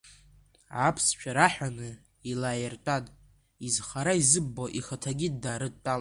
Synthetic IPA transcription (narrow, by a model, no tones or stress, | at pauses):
apʰst͡ʃʷʰaɾaħʷᶣanɨ | ilaːjɪrtʼatʼ | izχaɾaizɨbːoʔiχatʰaɡʲidːaːɾɨd̚tʼːal